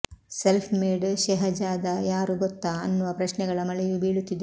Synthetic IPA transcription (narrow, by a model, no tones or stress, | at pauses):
selpʰmeːɖʃɛɦɐd͡ʒaːd̪ɐjaːɾuɡɔt̪ːaːɐnːuʋɐpɾɐʃnɛɡɐɭɐmɐɭɛjubiːɭut̪ːid̪e